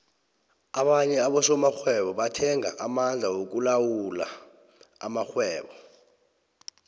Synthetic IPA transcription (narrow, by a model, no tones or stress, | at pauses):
aɓaɲɛaɓɔsɔmaxwɛɓɔɓatʰɛŋʱa̰ʔamand͡ɮʱawok̬ulawula̰ | amaxwɛːɓɔ